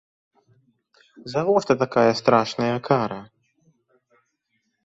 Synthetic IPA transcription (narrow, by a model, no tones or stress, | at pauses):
zavɔʂt̪ɐt̪akajɐst̪ɾaʂnɐjɐkʰaɾɐ